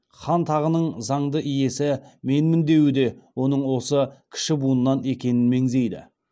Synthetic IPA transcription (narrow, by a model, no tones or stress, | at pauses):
χɑnt̪ʰɑʁənəɴzɑɴd̪əʔɪje̞sɪme̞nmɪnd̪e̞wɪd̪e̞wo̞nəɴwo̞səkʲʰɪ̥ʃɪbunənːɑne̞kʲe̞nɪnme̞ŋze̞jd̪ɪ̰